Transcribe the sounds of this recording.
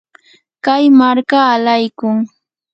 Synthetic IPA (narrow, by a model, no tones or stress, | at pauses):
kajmaɾkaːlajkʊŋ